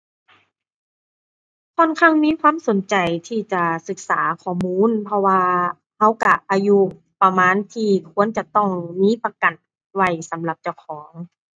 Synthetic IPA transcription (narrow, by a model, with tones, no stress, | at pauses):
kʰɔː˧˨nkʰa˧˥˩ŋmiː˧˥˨kʰwaː˧˥˨mso˨˦nt͡ɕa˨˩jt̪ʰiː˧˩t͡ɕa˨˩sɯ˨˩k̚saː˩˦kʰɔː˧˩muː˧˥˨npʰɔ˧waː˧ | ha˧˥˩wka˧˩ʔaː˧ju˧ | pa˧maː˧˥˨nt̪ʰiː˧˩kʰu˧˥ənt͡ɕa˨˧t̪ɔ˧˩ŋmiː˧˥˨pa˧ka˨˩n | wa˧˩jsa˨˦mla˨˩p̚t͡ɕa˧˩wkʰɔː˩˦ŋ